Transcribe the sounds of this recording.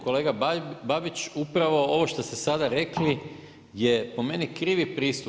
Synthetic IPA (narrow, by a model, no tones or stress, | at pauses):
ko̞le̞ːɡababit͡ʃupɾaʋo̞o̞ʋo̞ʃt̪ost̪esad̪aɾekli | jepo̞me̞nikɾiːʋipɾiːst̪u